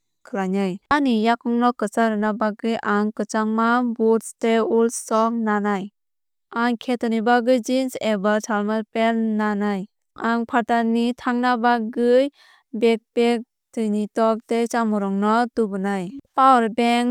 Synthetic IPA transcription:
kʰɯlanajanijakɔŋnɔkɯt͡ʃaɾɯnabaɡɯjʔaŋkɯt͡ʃaŋmabutsteulsɔŋnanaj | aŋkʰetɔnibaɡɯjd͡ʒinsebatʰalmapelnanaj | aŋpʰaɾtanitʰaŋnabaɡɯj | bek̚pek̚ | tɯjnitɔk̚tet͡ʃamɔɾɔŋnɔtubɯnajpawɾbeŋ

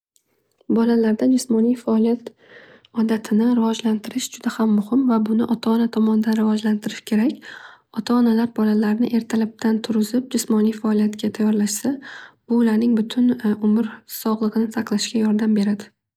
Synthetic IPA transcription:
bɒlalaɾd̪ad͡ʒɪsmɒnijfaɒlijat̪ | ɒd̪at̪ʰɪnɪɾɪvɒd͡ʒlant̪ʰɪɾɪʃd͡ʒʊd̪̥ahamːʊhɪmvabʊnɪʔɒt̪ʰaɒnat̪ʰɒmɒnɪd̪anɾɪvɒd͡ʒlant̪ʰɪɾɪʃkʲʰe̞ɾakʲɒt̪ʰaːnalaɾbɒlalaɾnɪʔe̞ɾt̪ʰalab̚t̪ʰant̪ʰʊɾɪzɪp̚d͡ʒɪsmɒnijfaɒlijat̪ɡʲat̪ʰajːɒɾlaʃsab̥ʊːlaɾnɪŋbʊt̪ʰʊnʊmɪɾsɒʁlˠɨʁɨnɪsʰaqlˠaʃɡʲajɒɾd̪ambe̞ɾad̪ɪ

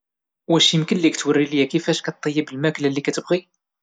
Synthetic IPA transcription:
wæʃimkəlːikt̪wərːiljækifæʃkæt̪ˤːəjːibəlmæklælːikæt̪əbʁi

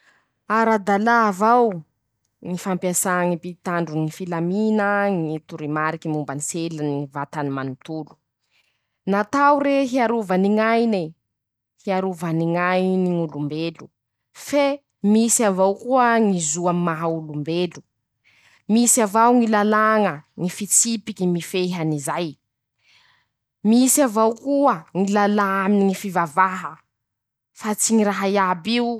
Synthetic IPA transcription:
aɾad̪alaːvaw | ŋifampjasaŋipit̪aɳɖ͡ʐuŋifilaminəŋit̪uɾimaɾikimumbaniselənivat̪animanut̪ulu̥ | nat̪awɾeɦiaɾuvaniŋajne | hiaɾuvaniŋajniŋulumbelu | fe | misiavawkuəŋizuammaɦaulumbelu | misiavawŋilalaŋəŋifit͡sipikimifeɦanizaj | misavawkuəŋilalaaminiŋifivavaɦə | fat͡siŋiraɦajabiu

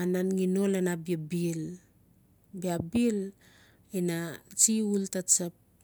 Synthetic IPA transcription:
ananŋinolenabiabil | biabil | inat͡ʃiultat͡ʃap̚

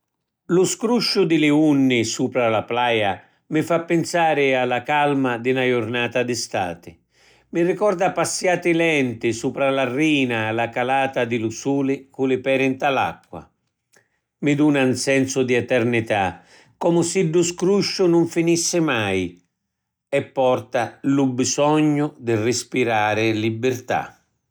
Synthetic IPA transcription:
lʊskɾuʃːʊd̪ɪlɪunːɪsuːpɾalaplaːja | mɪfapːɪnsaːɾɪalːakalmad̪ɪnajʊrnaːt̪ad̪ɪst̪a̰ːt̪ɪ | mɪrɪkɔrd̪apasːjaːt̪ɪlɛnt̪ɪsuːpɾalarːiːnaːlakalaːt̪ad̪ɪlʊsuːlɪkulɪpɛːɾɪnt̪ala̰kːwa̰ | mɪd̪uːnansɛnsʊd̪iɛt̪ɛrnit̪a | kːɔmʊsiɖːʊskɾuʃːʊnʊɱfinisːɪmaj | ɛpːɔrt̪alʊbisɔɲːʊd̪ɪrɪspiɾaːɾɪlibːɪrt̪a̰

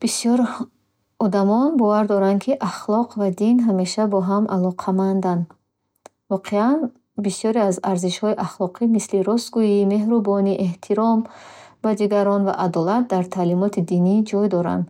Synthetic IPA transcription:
b̥isjɔɾ | ɔd̪amɔnbɔvaɾd̪ɔɾankʰiʔaχlˠɔqʰvad̪inɦame̞ʃabɔɦamʔalɔqʰamand̪an | vɔqʰean | bisjɔɾiazaɾziʃhɔiʔaχlˠɔqʰimisliɾɔst̪ɡujime̞ɦɾubɔniʔeht̪ʰiɾɔmbad̪iɡaɾɔnva̰ʔad̪ɔlat̪̚d̪aɾt̪ʰalimɔt̪ʰid̪inid͡ʒɔjd̪ɔɾa̰nd̪

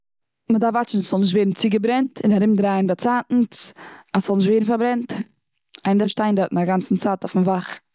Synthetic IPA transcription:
mədafvat͡ʃn̩sz̥ɔlˠnɪʃ̬tveːɾn̩t͡sɪɡəbɾɛntʰɪnaɾɪmdɾaːnbat͡saːtn̩t͡sasz̥ɔlˠnɪʃ̬tveːɾn̩faɾbɾɛnt | aɪndaʃtaɪndatʔn̩aɡant͡sn̩t͡saːtɔfn̩vaχ

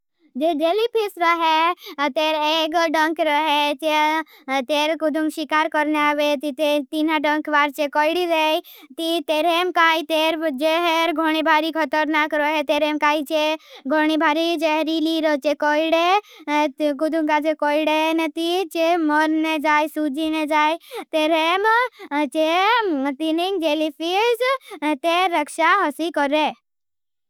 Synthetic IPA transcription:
d͡ʒeɖelipʰisɾɔɦet̪eːɾeɡɖəŋkɾɔɦet͡ʃe | t̪eːɾkud̪ʱuŋʃikaːɾkɔɾneaʋet̪it̪et̪inaɖəŋkʋaːɾt͡ʃekɔiɽiɾe | t̪it̪eːɾemkaːit̪eɾd͡ʒeɦeɾɡʱoɽ̃ibʱaɾikʰɔt̪əɾnaːkɾɔɦet̪eɾemkaːit͡ʃeɡʱoɽ̃ibʱaːɾid͡ʒeɦɾiliɾɔt͡ʃekɔjɽe | ɡud̪ʱũŋkad͡ʒekoːiɽenet̪it͡ʃemɔɾned͡ʒaːjsud͡ʒined͡ʒaːjt̪eɾemt͡ʃet̪iniŋɡd͡ʒelifizt̪eɾəkʃaɦɔsikɔɾe

